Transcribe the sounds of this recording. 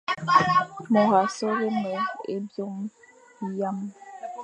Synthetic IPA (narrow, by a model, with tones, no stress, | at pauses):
mɔ˨ɣa˨sɔ˦ɣe˦mɔ˨ḛ˦bjo˦ŋ˦ | ja˦m